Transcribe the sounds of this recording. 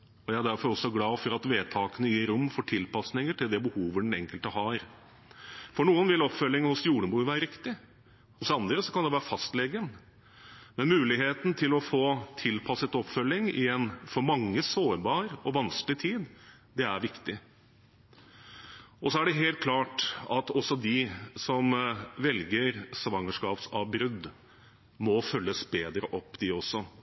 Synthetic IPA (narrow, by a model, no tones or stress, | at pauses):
ɔjæɪæɖæɾfɔɾɔsːɔɡlɑːfɔɾɑt̪ʋeːt̪ʰɑːkənəjiːɾʊmːfɔʈʰɪlpʰɑsnɪŋəʈʰɪld̪ɛbəhuːʋəɖ̪ɛnɛ̰ŋkəlt̪əɦɑɾ | fɔɳuːənʋɪlɔpfœlːɪŋəhʊsjuːɖəbuːʋæːɾəɾɪkt̪ɪ | hʊsɑnd̪ɾəsɔkɑnd̪ɛʋæːɾəfɑst̪lɛɡən | mɛnmʉːlɪɦeːt̪n̩t̪ʰɪlɔfoːt̪ʰɪlpʰɑsət̪ɔpfœlːɪŋɪ̰jɛnːfɔɾmɑŋːəsoːɾbɑːɾɔʋɑnsklɪt̪ʰiːd̪ | d̪ɛæɾʋɪkt̪ɪ | ʔɔsɔæɖɛɦeːlt̪̚kʰlɑːʈɑt̪ɔsːɔd̪ɪsɔmʋɛlɡəɾsʋɑŋəʂkɑːpsɑʋbɾʉd̪ | mɔfœlːəsbeːd̪ɾəʔɔpːd̪ɪɔsːɔ